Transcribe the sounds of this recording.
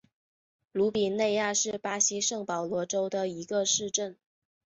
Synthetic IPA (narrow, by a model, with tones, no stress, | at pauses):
lu˧˥pi˨˩nne˥˧ɪja˥˧ʂɻ̩˥˩pa˥ɕi˥ʂɤ˥˩ŋpɑ˨˩ʊlwɔ˧˥ʈ͡ʂo˥ʊd̪ə˨i˧˥ɡə˧ʂɻ̩˥˧ʈ͡ʂə˥˩n